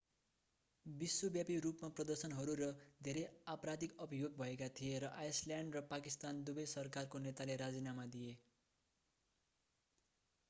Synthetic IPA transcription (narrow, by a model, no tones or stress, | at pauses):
biswobjapirupmaprʌd̪ʌrsʌnɦʌɾuɾʌd̪ʱeɾʌjaprad̪ikʌbʌjoɡ̚bʱʌekat̪ʰijeɾʌʔajsljaɳɖrʌpakist̪and̪ubʌjsʌrkarkonet̪aleɾad͡zinamad̪ije